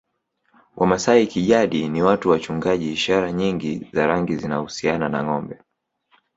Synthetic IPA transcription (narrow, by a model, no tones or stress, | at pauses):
wʔamasaikiʄaɗiniwatuwat͡ʃuŋɡaʄiːʃaɾaɲiŋɡizaɾaŋɡizinahusianana̰ŋɔmbɛ